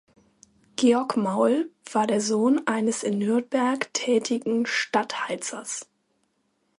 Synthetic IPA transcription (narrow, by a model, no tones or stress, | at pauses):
ɡ̥eːɔɐkmaʊlv̥aːɐdeːɐzoːnʔaɪnəsɪnːʏɐtb̥ɛɐktʰɛːtʰɪɡŋ̩ʃtathaɪt͡sɐ̰s